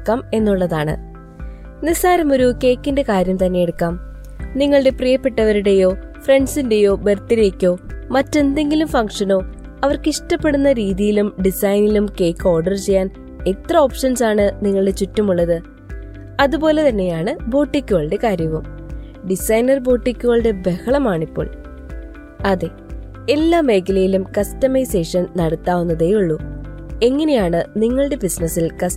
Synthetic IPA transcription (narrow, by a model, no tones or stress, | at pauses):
kːaːme̞nːuɭːɐðaːɳɨ̰ | nisaːɾɐmo̞ɾuke̞ːkːinde̞kaːɾjɐmt̪ɐnːejeɽukːaːm | niŋːɐɭɨɽe̞prijɐpːeʈːɐʋɐɾuɽe̞jo̞ːfre̞ɳɖsinde̞jo̞ːbert̪ːiɾe̞ːkʲːo̞ːmɐtːe̞nd̪e̞ŋɡilumfɐŋkʂɐno̞ː | ɐʋɐrkiʂʈɐpːe̞ɽunːɐɾiːðijilumɖisɐjnilumke̞ːkːo̞ːrɖɐrt͡ɕe̞jːaːn | e̞t̪rɐo̞ːpʂɐnsaːɳɨniŋːɐɭɨɽe̞t͡ɕutːumuɭːɐðɨ | ɐðupo̞ːle̞t̪ɐnːe̞jaːɳɨbo̞ːʈːikʲːuɣɐɭɨɽe̞kaːɾjɐʋɐm | ɖisɐjnɐrbo̞ːʈːikʲːuɣɐɭɨɽe̞be̞xɐɭɐmaːɳipːo̞̰ːɭ | ɐðe̞ | e̞lːaːme̞ːkɐlɐjilumkɐstɐmɐjse̞ːʂɐnnɐɽɐt̪ːaːʋunːɐðejuɭːu | e̞ŋːɐne̞jaːɳɨniŋːɐɭɨɽe̞bisnɐsilkɐ